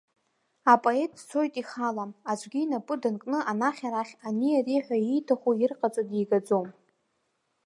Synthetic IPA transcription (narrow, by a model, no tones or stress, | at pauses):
apʼoe̞tʼt͡sʰo̞jtʼiχalaad͡ʒʷʼɡʲinapʼʊdankʼnɨʔanaχʲaɾaχʲaniariħʷᶣaijtʰaχʷuɪrqʼat͡sʼadiɡad͡zom